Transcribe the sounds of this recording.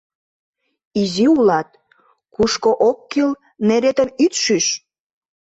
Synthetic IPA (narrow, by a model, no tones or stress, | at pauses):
iziulɑt̪̚ | kuʃkoʔokːil | neɾet̪ənyt̪ʃyʃ